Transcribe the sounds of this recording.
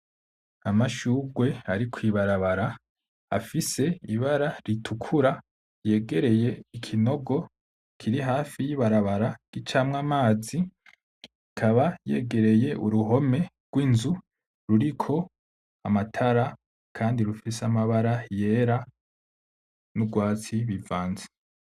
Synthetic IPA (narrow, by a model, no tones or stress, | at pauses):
amaʃuɡwe̞aɾikʰwiβaɾaβaɾa | a̰fise̞iβaɾaɾitʰukʰuɾa | je̞ːɡe̞ɾe̞je̞ikʰino̞ɡo̞ | kʰiɾiɦaːfijiβaɾaβaɾaɡ̥it͡ʃaːmŋamaːzi | kʰaβaje̞̰ːɡe̞ɾe̞je̞ʔuɾuɦo̞me̞ | ɡ̥wiːnzu | ɾuɾikʰo̞ | amatʰaɾa | kʰaːndiɾufiseamaβaɾaje̞ːɾa | nuɡwaːt͡siβivaːnze̥